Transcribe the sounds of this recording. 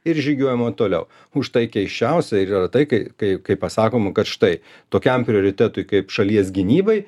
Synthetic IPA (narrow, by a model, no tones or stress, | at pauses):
ɪɾʒʲiːɡʲuɔjɛmɐt̪oːlʲɛ̰ʊ | ʊʃt̪ɐɪkʲɛɪʃʲt͡ʃʲɛʊsʲɛɪɾiːrɐt̪ɐɪkɐɪkɐɪkɐɪppɐsɑːkoːmɐkɐt̪ʃɪ̥t̪ɐɪ | t̪oːkʲɛmpʲɾʲɪoːɾʲɪt̪ʲæːt̪ʊɪkɐɪpʃɐlʲiɛsɡʲɪnʲiːbɐɪ